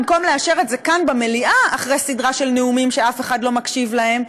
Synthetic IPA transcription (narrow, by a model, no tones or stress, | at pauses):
mko̞mleaʃe̞ʁetzekanbemeliʔaaχʁejsidʁaʃe̞lne̞umimʃeafe̞χadlo̞makʃivlae̞m